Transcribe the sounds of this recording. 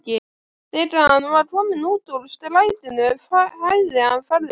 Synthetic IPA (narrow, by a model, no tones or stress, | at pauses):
cɪ | θɛʈ̪aanuvaʈ̪ʰɔːmɪnuːt̪ulst̪ɪlaːjt̪ɪnʏafahajðɪanfaɾðɪ